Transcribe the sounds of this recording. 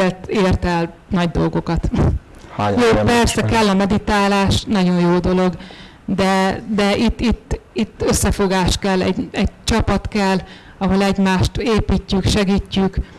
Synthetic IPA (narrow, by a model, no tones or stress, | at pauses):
ɛlt̪eːrt̪ɛlnɒɟd̪o̞lɡo̞kɒt̪ | joːpɛrsɛkɛlːɒmɛd̪it̪aːlaːʃnɒɟo̞jjoːd̪o̞lo̞ɡ | d̪ɛd̪ɛʔit̪ːit̪ːit̪ːø̞sːɛfo̞ɡaːʃt̪kɛlːɛ̰ɟɛɟt͡ʃɒpɒt̪kɛlː | ɒɦo̞lɛɟmaːʃt̪eːpiːcːykʃɛɡiːcːyk